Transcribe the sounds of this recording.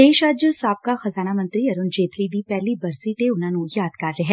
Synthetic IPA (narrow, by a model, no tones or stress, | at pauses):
eːʃəd͡ʒsaːp̚kaxɐzaːnamə̃nt̪ɾiɐɾʊnd͡ʒeːt̪lid̪ipɛɦlibɐɾsit̪eʊnɦãːnũjaːd̪kɐɾːɐɦɛ̃ː